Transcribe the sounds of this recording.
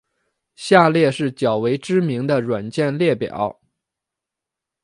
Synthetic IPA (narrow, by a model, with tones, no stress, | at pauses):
ɕja˥˧ljɛ˥˧ʂɻ̩˥˩t͡ɕjɑ˨˩ʊwe˧˥ɪʈ͡ʂɻ̩˥mi˧˥ŋd̪ə˧ɻwa˨˩nt͡ɕjɛ˥˧nljɛ˥˩pjɑ̰˨˩˦ʊ